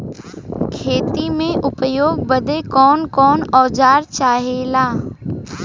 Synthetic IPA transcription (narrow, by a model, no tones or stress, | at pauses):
kʰeːt̪imẽʔʊpjoːɡ̚bəd̪ekɔːnkɔːnɔːd͡ʒaːɾt͡ʃaːɦeːlaː